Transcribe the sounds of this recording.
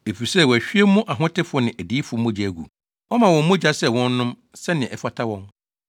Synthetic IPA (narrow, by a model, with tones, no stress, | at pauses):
e˨fi˨sɛ˦˨wɔ˨æ˨ɕᶣi˦e˦mũ˦ʔa˨ɦʊ̃˦tʰɪ˦fʊʊ˦nɪ̃˨ʔæ˨di˦fʊ˨˦mʊ̃˦d͡ʑæ˨ɡṵ˨ | ɔ˦mã˨wɔ̃˨m˦mʊ̃˦d͡ʑa˦sɛ˦wɔ̃˦n˦nʊ̃˦m | sɛ˦nɪ̃˨ɛ̃˨ɛ˨fa˦tʰa˦wɔ̃˦m